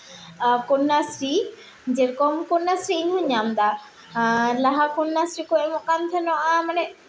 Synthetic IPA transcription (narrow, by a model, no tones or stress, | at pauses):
kɔnːasɾi | d͡ʒɛɾkɔmkɔnːasɾiːɲɦɔɲamd̪a | laɦakunːasɾikoɛmɔkant̪ʰɛnɔʔamanɛ